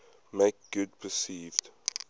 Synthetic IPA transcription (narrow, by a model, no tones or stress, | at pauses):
meɪk̚ɡ̥ʊd̚pʰəsiːvd̥